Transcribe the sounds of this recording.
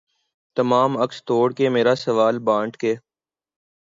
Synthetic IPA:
t̪əmaːməkst̪oːɽkeːmeːɾasəʋaːlbãːɳʈkeː

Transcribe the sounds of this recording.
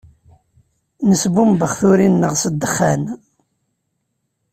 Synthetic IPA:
nəsbumbəχθuɾinːəʁsəd̪ːəχːæn

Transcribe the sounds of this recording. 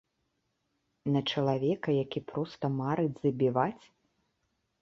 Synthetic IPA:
nɐt͡ʂɐlˠavʲɛkɐjakʲipɾɔst̪ɐmaɾɨd͡zʲzɐbʲivat͡sʲ

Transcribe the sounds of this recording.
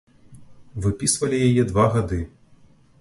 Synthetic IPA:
vɨpʲisvɐlʲijajɛd̪vaɣad̪ɨ

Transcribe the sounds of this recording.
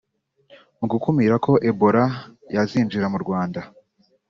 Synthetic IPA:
uɡukumiɾakʰo̞ʔe̞bo̞ɾajaziːnd͡ʒiɾamuɾɡwaːnda

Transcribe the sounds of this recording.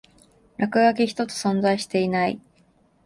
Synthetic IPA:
ɾakɯ̟ɡakeçi̥t̪o̞t͡sɨ̥sõ̞nzaiɕi̥t̪e̞inaḭ

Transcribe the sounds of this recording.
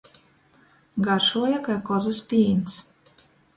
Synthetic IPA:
ɡaɾʃuɔjakajkɔzaspʲiːns

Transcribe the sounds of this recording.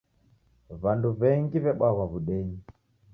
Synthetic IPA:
βanduβɛŋɡiβɛɓawaβuɗɛɲi

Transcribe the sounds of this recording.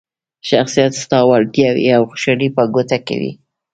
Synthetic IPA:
ʃaxsijat̪st̪ɑwaɾd̪jawḭawxʊ̥ʃaɽipəɡot̪akḛwḭ

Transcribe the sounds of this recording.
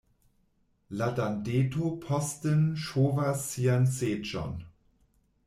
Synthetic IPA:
ladandeːtopʰɔstənʃoːvasianseːd͡ʒɔ̰n

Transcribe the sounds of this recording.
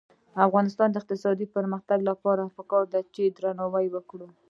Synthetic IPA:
afɣɑnɪst̪ɑnd̪əɪq̚t̪ɪsɑd̪ipəɾməxt̪aɡlapɑɾapəkɑɾd̪at͡ʃed̪ɾanɑwajwəkɽu

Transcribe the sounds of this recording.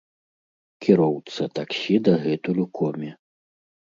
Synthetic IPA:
kʲiɾɔwt̪sɐt̪aksʲid̪ɐɣɛt̪ulʲukʰɔmʲi

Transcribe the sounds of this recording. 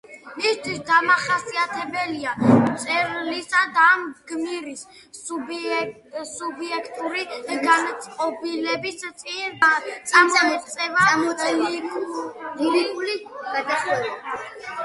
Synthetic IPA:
mist̪ʰwisd̪amaχasiat̪ʰɛbɛliamt̪sʼɛɾlisad̪aːmɡ̥miɾis | subiɛkʰt̪ʼuɾiɡanat̪sʼqʼɔbilɛbist̪sʼint̪sʼamɔɛt̪sʼɛva | ulikʼuliad̪a

